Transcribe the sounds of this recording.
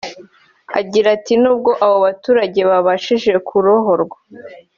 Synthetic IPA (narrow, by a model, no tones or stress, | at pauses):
a̰ɟiɾatinuːb̚ɡo̞ʔaβoβatuːɾaɟe̞βaβaʃiʒe̞kʰuɾoɦo̞ɾɡwa